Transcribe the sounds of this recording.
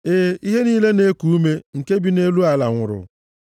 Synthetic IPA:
eː˦i˦ɦe˦niː˦le˦ne˦ku˨u˦me˦ŋ̩˨ke˦bi˨ne˦lu˦a˨la˨ŋʷʊ̰˨ɾʊ̰˨

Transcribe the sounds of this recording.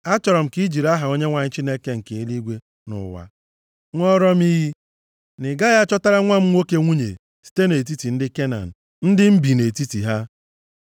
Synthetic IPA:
a˦t͡ʃɔ˨ɾɔ˨m̩˨ki˦d͡ʒi˨ɾa˦ɦa˨o˦ɲe˦ŋʷa˨ɲɪ˦t͡ʃi˦ne˦ke˦ŋ̩˨ke˨i˦li˦ɡʷe˦ | nʊ̰˨wa̰˦ | ŋʷɔ˦ɾɔ˦m˦i˦ɦi˦ | nɪ˨ɡa˦ja˦t͡ʃɔ˦ta˦ɾa˦ŋʷa˦m̩˦ŋʷo˦ke˦ŋʷu˦ɲḛ˨ | si̥˦te˦ne˨t̬i˦ti˨n̩˦dɪ˦ke˦na̰˨n̩˨ | n̩˦dɪ˦m̩˦bi˨ne˨ti˦ti˨ɦa˦

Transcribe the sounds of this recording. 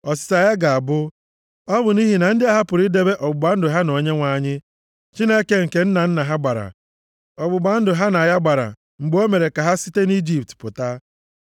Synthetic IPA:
ɔ˨s̬ɪ̥˦ta˨ja˦ɡa˨a˨bʊ˦ | ɔ˦bʊ˨ni˦ɦi˨na˨n̩˦dɪ˦a˦ɦa˦pʊ˨ɾi˦de˦be˦ʔɔ˨bʊ˨ɡ͡ba˦n̩˦dʊ˨ɦa˦no˨ɲe˦ŋʷa˨˦˨ɲɪ˦ | t͡ʃi˦ne˦ke˦ŋ̩˨ke˨n̩˦na˨n̩˦na˨ɦa˦ɡ͡ba˨ɾa̰˨ | ɔ˨bʊ˨ɡ͡ba˨n̩˦dʊ˨ɦa˦na˨ja˦ɡ͡ba˨ɾa̰˨ | ŋ͡m̩˨ɡ͡bo˦me˨ɾe˨ka˨ɦa˦si̥˦te˦ni˦d͡ʒi˦˨p̚tpʊ˨ta˦

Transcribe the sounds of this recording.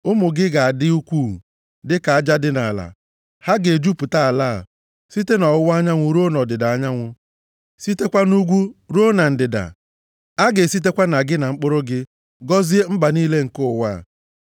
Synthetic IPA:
ʊ˦mʊ˨ɡɪ˦ɡa˨a˨dɪ˦u˦kʷu˦˨ | dɪ˦ka˨a˦d͡ʒa˦dɪ˦na˨la̰˨ | ha˦ɡe˨d͡ʒu˦pʊ˨ta˦a˨la̰˦˨ | si˦te˦nɔ˨wʊ˦wa˦ɲa˦ŋʷʊ˨ɾo˦nɔ˨dɪ˨da˨a˦ɲa˦ŋʷʊ˦ | si˦te˦kʷa˦nu˦ɡʷu˦ɾo˦na˨n̩˨dɪ˨da̰˨ | a˦ɡe˨si˦t̬e˦kʷa˦na˨ɡɪ˦na˨ŋ͡m̩˦k͡pʊ˦ɾʊ˦ɡɪ˦ | ɡɔ˦zi˦e˦ŋ͡m̩˦ɡ͡ba˨niː˦le˦ŋ̩˨kʊ˦ʊ˨wa̰˦˨

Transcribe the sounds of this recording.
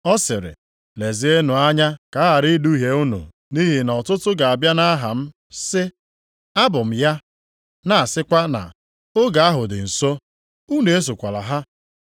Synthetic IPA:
ɔ˦sɪ˨ɾɪ̰˨ | le˨zɪ˨˦e˦nʊ˨a˦ɲa˦ka˨˦ɦa˨ɾi˦du˦i˦ɦe˨u˦nṵ˨ | ni˦ɦi˨nɔ˨tʊ˦tʊ˦ɡa˨a˨bja˦na˦ɦa˨m̩˦ | sɪ˦ | a˦bʊ˨m̩˨ja˦ | na˨a˨sɪ˦kʷa˦na̰˨ | o˦ɡa˨a˦ɦʊ˨dɪ̰˨n̩˨so˦ | u˦ne˨e˦s̬o˨kʷa˨la̰˨ɦa˦

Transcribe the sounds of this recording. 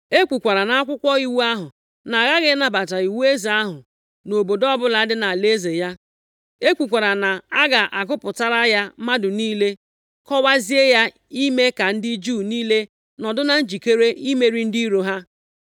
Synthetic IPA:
e˦kʷu˨kʷa˨ɾa˨na˨a˦kʷʊ˦kʷɔ˦i˦wu˦a˦ɦʊ˨ | na˨ɣa˦ɣɪ˦na˨ba˨ta˨i˨we˦zi˨a˦ɦʊ˨ | no˨bo˨dɔ˦bʊ˦la˨˦a˦dɪ˦na˨a˨le˦ze˨ja˦ | e˦kʷu˨kʷa˨ɾa˨na˨a˦ɡa˨ʔa˨kʊ˦pʊ˨ta˦ɾa˦ja˦ma˦dʊ˨niː˦le˦ | kɔ˦wa˦zi˦e˦ja˦ | i˦me˦ka˨n̩˦dɪ˦d͡ʒuː˦˨niː˦le˦ | nɔ˨dʊ˦na˨n̩˦d͡ʒi˨ke˦ɾe˦ʔi˦me˦ɾi˦n̩˦di˦ɾo˦ɦa˦

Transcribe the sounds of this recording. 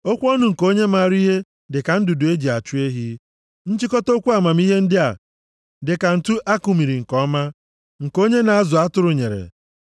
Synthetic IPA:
o˦kʷɔ˦nʊ˨ŋ̩˨ko˦ɲe˦ma˦˨ɾi˦ɦe˦ | dɪ˨ka˨n̩˦du˨dʊ˨e˦d͡ʒi˨a˨t͡ʃu˦e˦ɦi˦ | n̩˦t͡ʃi˦kɔ˦to˦kʷu˦a˨ma˨m˦i˦ɦe˦n̩˦dɪ˦a̰˨ | dɪ˨ka˨n̩˨tu˦ʔa˦kʊ˨mi˨ɾi˨ŋ̩˨kɔ˦ma˦ | ŋ̩˨ko˦ɲe˦na˨a˦zʊ˨a˦tʊ˦ɾʊ˨ɲe˨ɾḛ˨

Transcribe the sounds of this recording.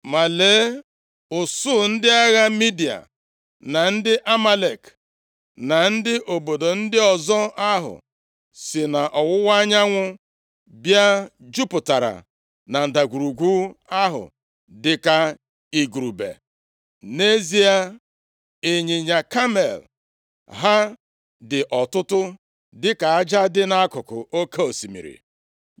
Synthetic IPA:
ma˨le˨˦ | ʊ˨sʊ˦n̩˦dɪ˦a˦ɣa˦mi˦di˨a̰˨ | na˨n̩˦dɪ˦ʔa˦ma˦le˨k | na˨n̩˦dɪ˦ʔo˨bo˨do˨n̩˦dɪ˦ɔ˨zɔ˦a˦ɦʊ̰˨ | sɪ˨na˨ʔɔ˨wʊ˦wa˦ɲa˦ŋʷʊ˦ | bja˦d͡ʒu˦pʊ˨ta˨ɾa̰˨ | na˨n̩˨da˨ɡʷu˨ɾu˨ɡʷu˦a˦ɦʊ̰˨ | dɪ˨ka˦ | i˨ɡɾu˨bḛ˨ | ne˦zi˦a˦ | e˨ɲɪ˨ɲa˨ka˦me˨l | ɦa˦ | dɪ˨ʔɔ˨tʊ˦tʊ˦ | dɪ˦ka˨a˦d͡ʒa˦dɪ˦na˦a˦kʊ˨kʊ̰˨ʔo˦ke˦o˨si˨mḭ˨ɾḭ˨

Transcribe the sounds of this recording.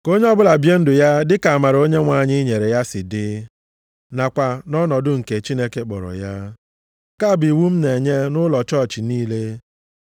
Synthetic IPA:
ko˦ɲe˦ɔ˦bʊ˦la˨bje˦n̩˦dʊ˨ja˦dɪ˦ka˨a˨ma˨ɾo˦ɲe˦ŋʷa˨ɲɪ˦ɲe˨ɾe˨ja˦sɪ˨dɪ˦ | na˨kʷa˨nɔ˦nɔ˨dʊ˦ŋ̩˨ke˨t͡ʃi˦ne˦ke˦k͡pɔ̰˨ɾɔ̰˨ja˦ | ka˦˨bi˨wu˦m̩˦ne˨ɲe˦nʊ˦lɔ˨t͡ʃɔ˦˨t͡ʃɪ˨niː˦le˦

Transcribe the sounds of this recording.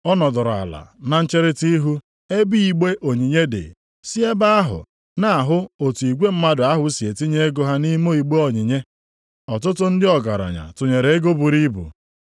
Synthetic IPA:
ɔ˦nɔ˨dʊ˨ɾa̰˨la̰˨na˨n̩˦t͡ʃe˦ɾɪ˦ti˦ɦu˦ | e˦bi˦i˨ɡ͡be˦ʔo˨ɲi˨ɲe˦dɪ̰˨ | si˦e˦ba˦a˦ɦʊ̰˨ | na˦˨a˨ɦʊ˦o˨tu˨i˨ɡʷe˦m̩˦ma˦dʊ˨a˦ɦʊ˨˦si˨e˨ti˦ɲe˦e˦ɡo˨ɦa˦ni˦mo˦i˨ɡ͡be˦ɔ˨ɲi˨ɲe˦ | ɔ˨t̬ʊ˦tʊ˦n̩˦dɪ˦ɔ˨ɡa˨ɾa̰˨ɲa̰˨tʊ˨ɲe˨ɾe˨e˦ɡo˦bu˨ɾi˦bṵ˨

